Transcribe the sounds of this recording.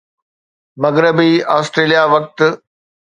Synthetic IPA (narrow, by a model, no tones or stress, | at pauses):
mɐɣɾɪbiaːsʈɾeːlijaʋɐk̚t̪